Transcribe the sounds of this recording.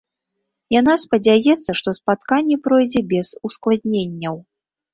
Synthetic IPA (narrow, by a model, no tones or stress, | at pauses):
janaspɐd͡zʲajɛt̪sːɐʂt̪ɔspat̪kanʲːɛpɾɔjd͡zʲɛbʲɛzusklˠad̪̚ʲnʲenʲːɐw